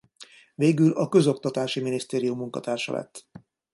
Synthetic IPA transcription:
veːɡylɒkø̞zo̞kt̪ɒt̪aːʃiminist̪eːɾijumːuŋkɒ̰t̪aːrʃɒ̰lʔɛ̰t̪ː

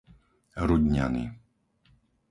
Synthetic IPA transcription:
ɾuɟɲa̰nḭː

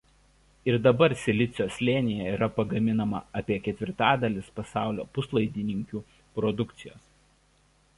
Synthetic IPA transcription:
ɪɾd̪ɐbɐɾsʲɛlʲɪt̪sʲɪjoːsʲlʲeːnʲɪjɛiːɾɐpɐɡɐmʲɪnɐmɐ̰ɐpʲiɛkʲɛt̪ʲʋʲɪɾt̪ɑːd̪ɐlʲɪspɐsɑˑʊlʲo̰ːpʊslˠɐɪd̪ʲiːnʲɪŋʲkʲuː | pɾɔd̪ʊkt̪sʲɪjo̰ːs

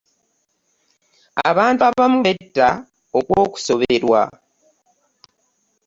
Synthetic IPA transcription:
a̰βaːntuaβamuβetːa | okwo̞ːku̥so̞βeeɾwa̰

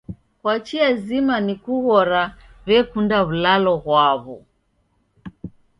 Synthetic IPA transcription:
kwat͡ʃiazimanikuɣɔɾaβɛkundaβulalɔɣwaβɔ

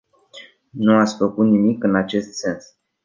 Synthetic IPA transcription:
nuat̪sʲfəkut̪nimikɨnat͡ʃe̞st̪se̞ns

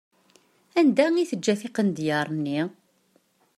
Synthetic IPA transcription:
ænd̪æŋiθəd͡ʒːæθiqənd̪jəɾˤnːi

